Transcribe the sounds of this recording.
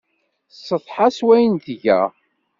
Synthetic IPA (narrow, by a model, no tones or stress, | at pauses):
sːəθˤħaswæjənt̪əʝæ̰